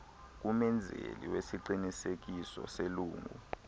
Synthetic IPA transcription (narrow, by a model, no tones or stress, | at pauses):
k̬umɛnd͡zʱḛlḭwesiǃinisek̬isɔ̰seluːŋʱṵ